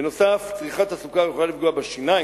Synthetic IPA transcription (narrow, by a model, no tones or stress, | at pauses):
eno̞saft͡sʁiχat̪asukajeχolalifɡuabeʃina